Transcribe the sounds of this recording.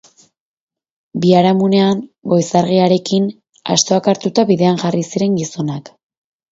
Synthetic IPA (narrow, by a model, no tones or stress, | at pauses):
biaɾamune̞anɡo̞jsaɾɣ̞iaɾe̞kin | a̰st̪o̞akaɾt̪ut̪aβiðe̞anʝarisiɾe̞ŋɡiso̞nak